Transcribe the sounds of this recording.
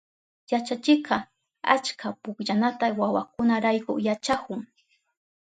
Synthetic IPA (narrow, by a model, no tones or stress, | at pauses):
jat͡ʃat͡ʃɪkɑ | a̰t͡ʃkapʊkʎanat̪awawakʊnaɾajkʊjat͡ʃakʊŋ